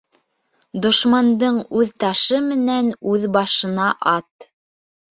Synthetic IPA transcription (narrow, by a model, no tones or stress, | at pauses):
d̪ŏʃmɑnd̪ɤɴʉðt̪ɑʃɤmɘ̆nænʉðbɑʃɤ̆nɑʔɑt̪